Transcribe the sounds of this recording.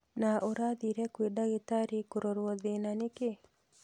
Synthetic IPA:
naʔoɾaðiɾɛkwedaɣetaɾikoɾɔɾwɔðenaneke

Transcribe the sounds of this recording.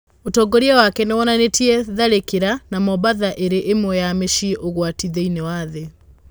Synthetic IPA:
otɔɡoɾiɛwakɛnɛwɔnanetʰiɛðaɾekeɾanamɔβaðaʔeɾeʔemwɛjameʃiʔoɣwatiðeinewaðe

